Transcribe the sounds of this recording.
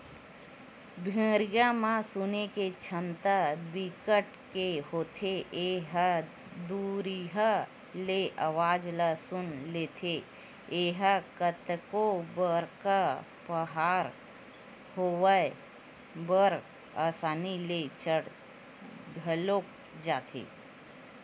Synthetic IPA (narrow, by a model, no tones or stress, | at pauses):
bʱẽːɾɡamãsʊneket͡ʃʰəmt̪abikəʈ | kehoːt̪ʰeeɦə | d̪uːɾiɦə | leʔaʋaːd͡ʒlasʊnleːt̪ʰe | eːɦəkət̪kobəɾka | pəɦaːɾ | hoːwəe | bəɾ | aːsaːnilet͡ʃəɽ | ɡʱəloːk̚ | d͡ʒaːt̪ʰḛː